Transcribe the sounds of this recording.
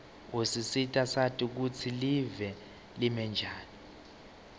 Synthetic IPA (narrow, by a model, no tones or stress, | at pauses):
usisitʼasatʼik̬ut͡sʰilivɛ | limɛnd͡ʒʱaːni